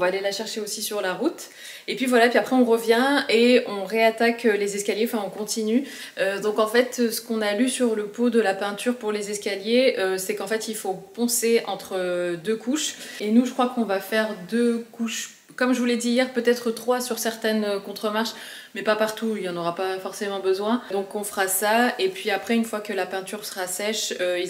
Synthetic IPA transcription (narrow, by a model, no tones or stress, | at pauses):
ɔ̃vaːlelaʃɛʁʃeosisyʁlaʁut̪ | epɥivwalaepɥiapχɛɔ̃ʁəvjɛ̃eɔ̃ʁeat̪akølezɛskʲaljeɑ̃fɛ̃ɔ̃kɔ̃t̪iny | ød̪ɔ̃kɑ̃fɛt̪øsə̥kɔ̃nalysyʁləpod̪əlapɛ̃t̪yʁpuʁlezɛskaljeøsɛkɑ̃fɛt̪ilfopɑ̃seɑ̰̃t̪χəd̪økuʃenuʒəkχwakɔ̃vafɛʁd̪økuʃ | kɔmʒəvulɛd̪iːjɛʁpøt̪ɛt̪χət̪χwasyʁsɛʁt̪ɛnøkɔ̃t̪χəmaʁʃ | mɛpapaʁt̪uilɑ̃nɔʁapafɔʁsemɑ̃bəzwɛ̃d̪ɔ̃kɔ̃fəʁasaepɥiapχɛynfwakəlapɛ̃t̪yʁsə̥ʁasɛʃøi